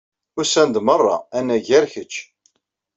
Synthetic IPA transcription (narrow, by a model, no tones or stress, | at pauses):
ʊɾsænd̪mərˤːɑ̰ænːæʝæɾçət͡ʃː